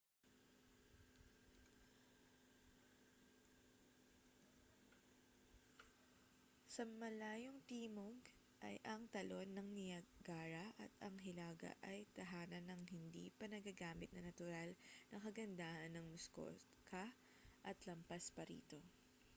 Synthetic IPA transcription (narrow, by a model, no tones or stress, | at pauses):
sɐmɐlaːjoŋt̪iːmoɡ | ʔɐ̰jʔɐŋt̪ɐlo̞nːɐŋnɪjɐɡaːɾɐʔɐt̪ɐŋɦɪlaːɡɐ̰ʔɐjt̪ɐɦaːnɐnːɐŋɦɪnd̪ḭːpɐnɐɡɐɡaːmɪt̪̚nɐnɐt̪ʊɾalnɐŋkɐɡɐnd̪aːʔɐnːɐŋmʊsko̰ | kʰɐ | ʔɐt̪lɐmpaspɐɾḭːt̪o̞